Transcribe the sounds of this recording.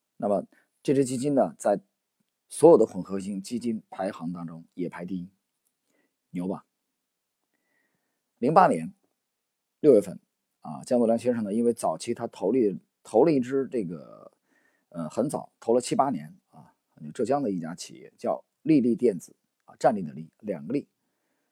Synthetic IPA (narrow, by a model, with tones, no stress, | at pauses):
na˥˩mə˩ | ʈ͡ʂʈ͡ʂɻ̩˥t͡ɕi˥t͡ɕi˥nnə˨t͡sa˥˩ɪ | swɔ˧˥jd̪ə˦kʰwə˨˩nxɤ˧˥˩ɕi˧˥˩ŋt͡ɕi˥t͡ɕi˥npʰa˧˥ɪxɑ˧˥ŋt̪ɑ˥ŋʈ͡ʂʊ˥ŋjɛ˨˩pʰa˧˥ɪt̪i˥˩i˥ | njo˧˥ʊba̰˨˩ | li˧˥ŋpa˥njɛ˧˥n | ljo˥˧ʊɥɛ˥˩fə̰˥˩n | ɐ̰˧t͡ɕjɑ˥ŋt̪u˥˩jɑ˧˥ŋɕɥɛ˥nʂɤ˨˩ŋnə˩˧i˥nwe˥˩ɪt͡sɑ˨˩ʊt͡ɕʰi˥t̪ʰa˥t̪ʰo˧˥ʊli˥˩ | t̪ʰo˧˥ʊlə˧i˥˩ʈ͡ʂɻ̩˥ʈ͡ʂɤ˥˩ɡə̰˩ | ə˧˩xə˧˥nt͡sɑ̰˨˩˦ʊt̪ʰo˧˥ʊlə˨˧t͡ɕʰi˥pa˥njɛ̰˧˥n | ɐ˥˩˥ | jo˨˩ʊʈ͡ʂɤ˥˩t͡ɕjɑ˥ŋd̪ə˨i˥˩t͡ɕja˥t͡ɕʰḭ˨˩jɛ̰˥˧t͡ɕjɑ˥˧ʊ | li˥˧li˥˧t̪jɛ˥˩nd͡zɹ̩˨˩˦ | ɐ̰˧ʈ͡ʂa˥˧nli˥˩ə˩li˥˩ljɑ̰˨˩ŋɡə˦li˥˩